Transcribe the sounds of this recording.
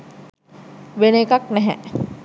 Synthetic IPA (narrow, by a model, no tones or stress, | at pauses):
ʋeneːkaknɛɦɛ